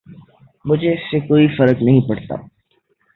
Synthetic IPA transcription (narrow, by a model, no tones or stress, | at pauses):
mʊd͡ʒʱeɪsːekoːifɐɾəknɐɦĩpɐɽt̪a̰ː